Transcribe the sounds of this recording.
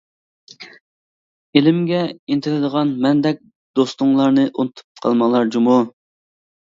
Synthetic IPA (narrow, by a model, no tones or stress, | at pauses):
elɪmɡʲɛint̪ʰɪɾɪd̪əʁɑnmɛnd̪ɛk̚ʲ | d̪̥ost̪uŋlˠɑɾnɨʔunɨt̪ʰu̥p̚qʰɑ̰lˠmɑŋlˠɑɾd͡ʒumu